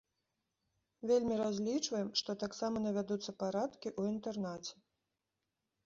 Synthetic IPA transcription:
vʲelʲmʲiɾazʲlʲit͡ʂvɐjɛmʂt̪ɔt̪aksamɐnɐvʲad̪ut̪sːɐpaɾat̪kʲiʔuint̪ɛrnat͡sʲɛ̥

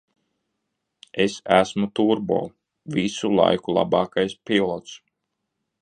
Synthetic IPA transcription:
esæsmut̪uɾbo̰ː | visulˠa̰jkulˠɑ̰bɑːkajspilˠɔt̪s

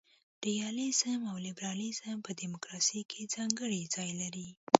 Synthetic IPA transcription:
ɾ̥ijɑlizəmawlɪbɾɑlizəmpəd̪imokɾɑsəjkʰed͡zɑŋɡəɽid͡zɑjlaɾi

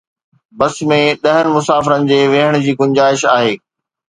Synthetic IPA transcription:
bɐsmẽɗɐɦənɪ̆mʊsaːfɪɾənɪ̆d͡ʑeːʋeɦəɽ̃ʊ̆d͡ʑiːɡʊɲd͡ʑaːɪʃaːɦeː

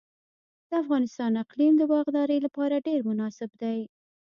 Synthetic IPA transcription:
d̪̥əafɣɑnɪst̪ɑnɪqlimd̪əbɑɣd̪ɑɾəjlapɑɾaɖeɾmʊnɑsɪbd̪aj

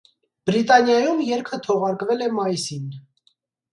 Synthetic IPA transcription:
b̥ɾit̪ɑnjɑjumjɛɾkʰət̪ʰɔʁɑɾkvɛlɛmɑjisin

